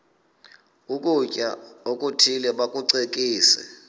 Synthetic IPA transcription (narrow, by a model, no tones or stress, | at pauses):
ukʼucʼa̰okʼutʰilɛɓakʼuǀek̬ʼiːsɛ̰